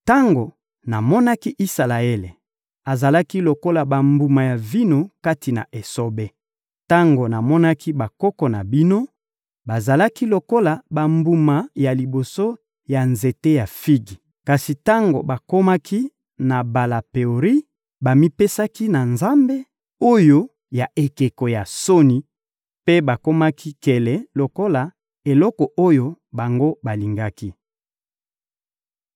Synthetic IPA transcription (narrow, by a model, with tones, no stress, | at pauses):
ta˦ŋɡo˨ | na˨mɔ˦na˦ki˦ʔi˦sa˨la˨e˦lḛ˨ | a˨za˨la˦ki˦lo˨ko˦la˨ba˨mbu˨ma˨ja˨vi˦no˦ka˦ti˨na̰˨ʔe˨so˦be˦ | ta˦ŋɡo˨na˨mɔ˦na˦kʰi˦ba˨kɔ˦kɔ˨na̰˨bi˦no˦ | ba˨za˨la˦ki˦lo˨ko˦la˨ba˨mbu˨ma˨ja˨li˨bo˨so˦ | ja˨nze˨te˦ja˨fi˦ɡi˨ | ka˨si˨ta˦ŋɡo̰˨ba˨ko˦ma˦ki˦ | na˨ba˨la˨pe˨o˨ʁi˦ | ba˨mi˦pe˦sa˦ki˦na˨nza˦mbe˦ | o˦jo˦ | ja˨ʔe˨ke˨kɔ˨ja˨so˦ni˨ | pe˦ba˨ko˦ma˦kʰi˦kɛ˨lɛ˨lo˨ko˦la˨ | e˨lɔ˦kɔ˨ʔo˦jo˦ | ba˨ŋɡo˦ba˨li˨ŋɡa˦ki˦